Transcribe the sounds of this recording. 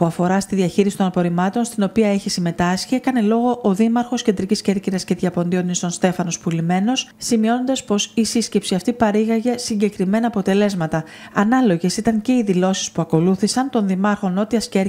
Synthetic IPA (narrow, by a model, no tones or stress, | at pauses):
puɐfo̞ɾɐst̪iðiɐçiɾisit̪o̞nɐpo̞ɾimɐt̪o̞nst̪ino̞piɐe̞çisime̞t̪ɐsçiekɐne̞lo̞ɣo̞ʔːðimɐɾxo̞sce̞nd̪ɾicisce̞ɾciɾɐsce̞ðʝɐpo̞nd̪io̞nist̪o̞nst̪e̞fɐno̞spulime̞no̞ssimio̞no̞nd̪ɐspo̞sisisce̞psiɐft̪ipɐɾiɣɐʝe̞siɲɟe̞kɾime̞nɐːpo̞t̪e̞le̞zmɐt̪ɐ | ɐnɐlo̞ʝe̞sit̪ɐɲce̞iðilo̞si̥spuɐko̞luθisɐnt̪o̞nðimɐɾxo̞no̞t̪iɐsce